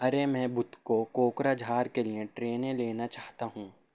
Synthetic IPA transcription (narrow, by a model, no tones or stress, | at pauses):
ɐɾemɛ̃ːbʊt̪kokoːkɾad͡ʒʱaːɾkeliẽʈɾeːnẽleːnat͡ʃaːɦt̪aɦũː